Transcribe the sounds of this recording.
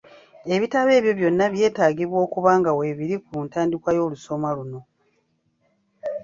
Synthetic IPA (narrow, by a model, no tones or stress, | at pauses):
e̞βitaβe̞ːβjo̞βjo̞nːaβje̞ːtaːɟiβwo̞ːkuβaːŋɡawe̞ːβiɾikuntaːndikwajo̞ːluso̞maluno̞